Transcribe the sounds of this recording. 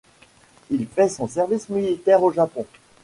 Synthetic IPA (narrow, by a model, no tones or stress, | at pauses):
ilfɛsɔ̃sɛʁvismilit̪ɛʁoʒapɔ̃